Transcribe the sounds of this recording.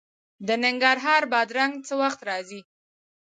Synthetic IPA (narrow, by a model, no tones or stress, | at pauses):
d̪ənɪŋɡaɾɦɑɾbɑd̪ɾaŋɡt͡səwaxt̪ɾɑzi